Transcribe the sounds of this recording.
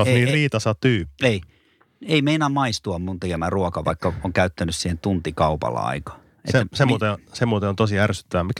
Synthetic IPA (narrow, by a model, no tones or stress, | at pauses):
oniːriːt̪ɑsɑt̪yːpːei | eimeinɑmɑist̪uɑmmunt̪ekemæruɔkɑʋɑ̰ikːɑoŋkæyt̪ːænyssiːhent̪unt̪ikɑupɑ̰lːɑ̰ɑ̰ikɑ̥ | eḛtseːæsemːot̪esemːot̪eont̪osiærsy̥t̪ːæʋæmik